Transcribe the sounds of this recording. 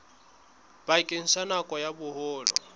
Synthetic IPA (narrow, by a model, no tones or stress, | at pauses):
b̥aikʼɪn̩sanakʼɔjabʊhʊːlɔ̰